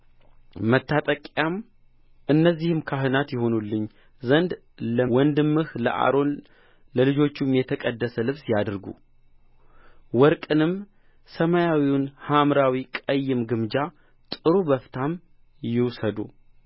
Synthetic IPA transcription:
mət̪ʰːat̪ʼəkʼjam | ʔɨnːəzːihɨmkʰaɦɨnat̪jɪho̞nulːɨɲː | zənd̪ | ləwɔnd̪ɨmːɨhlə̰ʔa̰ɾo̞n | ləlɨd͡ʒo̞t͡ʃːumjɛt̪ʰəkʼəd̪ːəsəlɨβsjad̪ɨɾɡṵ | wɔɾkʼɨnɨm | səmajawiwʊnhamɾawikʼəjːɪmɡɨmd͡ʒa | t̪ʼɨɾubəft̪ʰam | jɪwsəd̪u

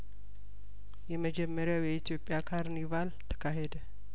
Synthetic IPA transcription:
jɛməd͡ʒɛmːəɾjawjɛit̪ʰijo̞pʼjakʰaɾnivalt̪ʰə̥kʰːaɦed̪ə

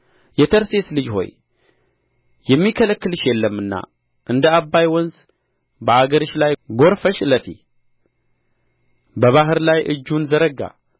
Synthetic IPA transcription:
jɛt̪ʰəɾse̞slɨd͡ʒho̞̰j | jɛmːikʰələkːɨlɨʃjɛlːəmːɨnːa̰ | ʔɨnd̪əabːajwɔnz | bəaɡəɾɨʃlajɡo̞ɾfəʃləfḭ | bəβaɦɨɾlajʔɨd͡ʒːunzəɾəɡa̰

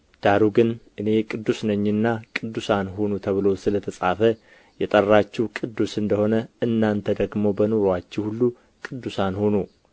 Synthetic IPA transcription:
d̪̥aɾuɡɨnʔɨne̞kʼɨd̪ːusnəɲːɨnːakʼɨd̪ːusanɦonut̪ʰəβɨlo̞sɨlət̪ʰəsʼafə | jɛt̪ʼərːat͡ʃːɛwkʼɨd̪ːusɨnd̪əho̞nəɨnːant̪ʰəd̪əɡmo̞bənoɾoat͡ʃːɛwhulːu | kʼɨd̪ːusanhonu

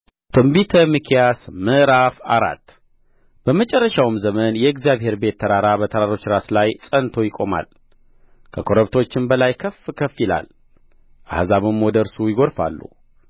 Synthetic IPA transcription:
t̪ʰɨmbit̪ʰəmɨkʰijasmɨʔɾafaɾa̰t̪ː | b̥əmət͡ʃʼɛrːəʃawɨmzəmənjɛɨɡzijaβɦhe̞ɾbe̞t̪ʰːəɾaɾabət̪ʰəɾaɾo̞t͡ʃːɾaslajsʼənt̪ʰo̞jɪkʼo̞ma̰l | kʰəkʰo̞ɾəβt̪ʰo̞t͡ʃːɪnbəlajkʰəfkʰəfjɪla̰l | ʔa̰hzaβɨmwɔd̪əɾsujɪɡo̞ɾfa̰lːṵ

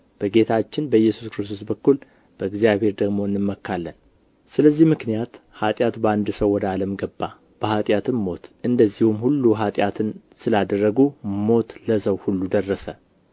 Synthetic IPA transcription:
b̥əɡe̞t̪ʰat͡ʃːɪnbəɨjːɛsu̥skɾɨst̪ʰo̞s̬bəkːul | b̥əɨɡzijaβhe̞ɾd̪əɡmo̞ɨnːɨmːəkːalːən | sɨləzːihmɨknijat̪hat̪ʼjat̪bəand̪ɨsəwːɔd̪aləmɡəbːa | b̥əhat̪ʼjat̪ʰɨnmo̞t̪ʔɨnd̪əzːihumhulːuɦat̪ʼjat̪ʰɨn | sɨlad̪ərːəɡumo̞t̪ləsəwhulːud̪ərːəsə

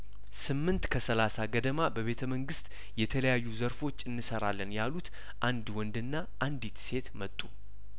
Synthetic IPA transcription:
sɨmːɨnt̪kʰəsəlasaɡəd̪əmabəβe̞t̪ʰəməŋɡɨst̪ʼ | jɛt̪ʰələjajːuzəɾfo̞t͡ʃːɨnːɨsəɾalːənjalut̪ | ʔand̪wɔnd̪ɨnːa | ʔand̪it̪se̞t̪mət̪ʼːu

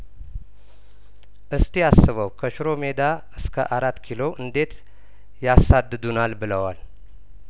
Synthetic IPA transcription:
ʔɨst̪ʰijasːɨβəwkʰəʃɾo̞me̞d̪a | ɨskʰə̰ʔaɾat̪ːkʰilo̞ʔɨnd̪e̞t̪ | jasad̪ːɨd̪unalbɨləwal

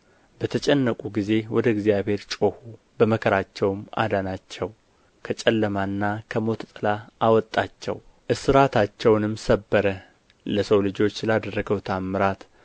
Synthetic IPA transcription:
bət̪ʰət͡ʃʼɛnːəkʼuɡize̞wɔd̪əɪɡzijaβhe̞ɾt͡ʃʼo̞hu | bəməkʰəɾat͡ʃːɛwma̰d̪anat͡ʃːɛw | kʰət͡ʃʼɛlːəmanːakʰəmo̞t̪ʰt̪ʼɨlaawɔt̪ʼːat͡ʃːɛ̰w | ʔɨsɨɾat̪ʰat͡ʃːɛwnɨmsəbːəɾə | ləsəwlɨd͡ʒo̞t͡ʃːlad̪ərːəɡəwt̪ʰamːɨɾat̪

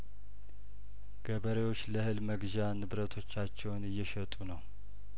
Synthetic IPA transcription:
ɡ̥əβəɾewo̞t͡ʃːləhɨlməɡʒanɨβɾət̪ʰo̞t͡ʃːat͡ʃːɛwnɨjːɛʃət̪ʼunəw

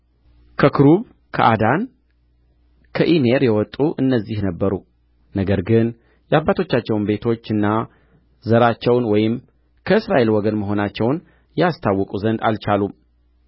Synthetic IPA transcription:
kʰəkʰɨɾuβ | kʰəʔad̪an | kʰəʔime̞ɾjɛwɔt̪ʼːuʔɨnːəzːihnəbːəɾu | nəɡəɾɡɨn | jɛabːat̪ʰo̞t͡ʃːat͡ʃːɛwnbe̞t̪ʰo̞t͡ʃːɨnːa | zəɾat͡ʃːɛwnwɔjɪm | kʰəɨsɾaʔe̞lwɔɡənməɦo̞nat͡ʃːɛwn | jɛast̪ʰawːɔkʼuzənd̪alt͡ʃalum

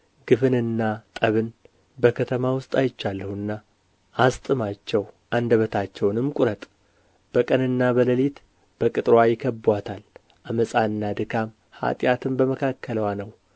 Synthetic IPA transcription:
ɡ̥ɨfɨnɨnːat̪ʼəβɨn | bəkʰət̪ʰəmawʊst̪ʼajɪt͡ʃːalːəhuɨnːa | ʔːst̪ʼɨmat͡ʃːɛwʔand̪əβət̪ʰat͡ʃːɛwnɨmkʼʊɾət̪ʼ | b̥əkʼənɨnːabələlit̪ | b̥əkʼɨt̪ʼɾajɪkʰəbwat̪ʰal | ʔaməsʼaɨnːad̪ɨkʰam | ha̰t̪ʼjat̪ʰɨmbəməkʰakʰːələwanəw

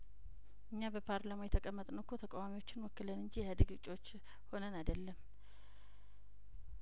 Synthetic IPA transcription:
ʔɨɲːabəpʰaɾlamojɛt̪ʰəkʼəmːət̪ʼnəwkʰːot̪ʰəkʼawamiwo̞t͡ʃːɪnwɔkːɨlənɨɲd͡ʒijɛhad̪ɨɡɨt͡ʃʼo̞t͡ʃː | ho̞nənajd̪əlːəm

